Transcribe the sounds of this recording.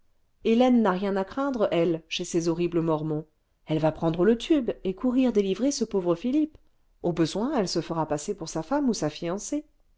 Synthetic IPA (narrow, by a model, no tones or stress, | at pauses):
elɛnːaʁjɛ̃nakχɛ̃d̪ʁəʔɛlʃesezɔʁibləmɔʁmɔ̃ | ɛlvapχɑ̃d̪ʁələt̪ʰybekuʁiʁd̪elivʁesəpovʁəfilip | obəzwɛ̃ɛlsəfəʁapasepuʁsafamusafijɑ̃se